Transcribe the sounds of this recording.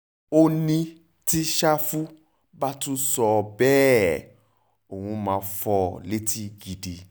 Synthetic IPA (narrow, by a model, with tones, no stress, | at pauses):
o˦nĩ˧ | ti˦ʃa˦fu˦ | ba˦tũ˦sɔ˧bɛ˦ | o˨hũ˧mãː˨˦fɔ˧le˦ti˦ɡi˧de˨